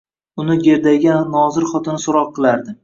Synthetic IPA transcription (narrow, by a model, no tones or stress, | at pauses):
ʊnɪɡʲe̞ɾd̪ajɡʲaːɒzɪɾχɒt̪ʰɪnɪsʊɾɒqːɨlˠaɾd̪ɪ